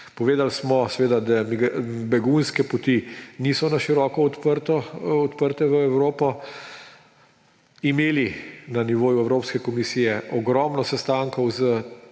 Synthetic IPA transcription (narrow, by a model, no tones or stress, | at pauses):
pɔʋeːd̪alsmɔsɛʋeːd̪ad̪amɡbɛɡunskɛpɔt̪iniːsɔnaʃiɾɔːkɔɔt̪pəɾt̪ɔɔt̪pəɾt̪ɛʋəɛwɾoːpɔ | imeːlinaniʋoːjuɛwɾoːpskɛkɔmisiːjɛʔɔɡɾɔːmnɔsɛst̪aŋkɔwzə